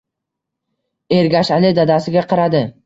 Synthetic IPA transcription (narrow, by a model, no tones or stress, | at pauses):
e̞ɾɡʲaʃalɪd̪ad̪asɪɡʲaqʰɑɾad̪ɪ